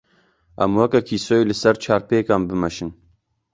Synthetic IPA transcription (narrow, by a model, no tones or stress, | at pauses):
ʔæ̰mwɐkɛkʰiːsoːjilɨsɛɾt͡ʃʰɑːɾpeːkɑːmbɨmɛʃɨn